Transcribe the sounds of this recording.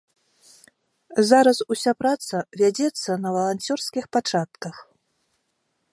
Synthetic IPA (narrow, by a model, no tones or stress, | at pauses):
zaɾɐsusʲapɾat̪sɐvʲad͡zʲɛt̪sːɐnɐvɐlˠanʲt͡sʲɔrskʲixpat͡ʂat̪kɐx